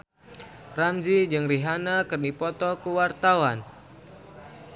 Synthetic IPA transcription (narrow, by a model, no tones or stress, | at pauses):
ramzid͡ʒɨŋriɦanakɨrnipɔt̪ɔkuwart̪awan